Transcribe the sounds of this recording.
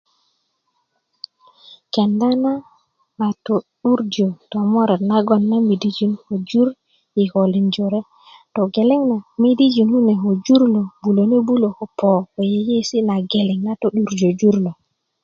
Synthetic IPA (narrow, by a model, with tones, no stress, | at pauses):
kɛ˨nda˦na˦ | na˨tɔ˨ɗu˦ɾd͡ʒɔ˨tɔ˨mɔ˦ɾɛ˨na˦ɡɔ˨nːa˦mi˨di˦d͡ʒi˦nho˨d͡ʒu˦ɾ | ji˨ho˨li˨nd͡ʒɔ˨ɾɛ˦ | tɔ˨ɡe˨lɛ˦ŋna˨mi˦di˦d͡ʒi˨nhu˦nɛ˨ɦo˨d͡ʒu˦ɾlɔ˨bu˨lo˨ne˦bu˦lo˨hɔ˨pɔ˨wɔ˨jɛ˦je˦si˦na˨ɡe˨lɛ˨ŋna˦tɔ˨ɗu˦ɾd͡ʒo˨d͡ʒu˦ɾlo˨